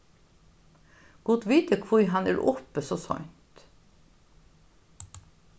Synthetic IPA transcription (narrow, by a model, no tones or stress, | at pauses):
ɡ̥ʊt̪ʋiːt̪əkʰʋʊɾɦɑnæ̰ːɹʔɔpəsoːsœ̰nt̪